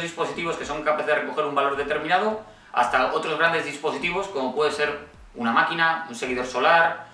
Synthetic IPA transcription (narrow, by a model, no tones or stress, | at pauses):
zðispo̞sit̪iβo̞ske̞so̞ŋkapaθere̞ko̞xe̞ɾumbalo̞ɾðe̞t̪e̞ɾminað̞o̞ | a̰st̪ao̞t̪ɾo̞zɣɾand̪e̞zðispo̞sit̪iβ̞o̞sko̞mo̞pwe̞ðe̞se̞ɾ | unamakinaunse̞ɣ̞iðo̞ɾso̞laɾ